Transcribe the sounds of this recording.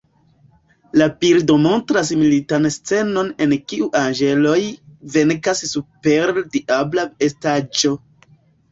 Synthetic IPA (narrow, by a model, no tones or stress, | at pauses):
lapiɾdo̞mo̞ntɾas̬militanst͡se̞no̞ne̞nkiʔuʔand͡ʒe̞lo̞jve̞ŋkassupe̞ɾdiʔablaestad͡ʒo̞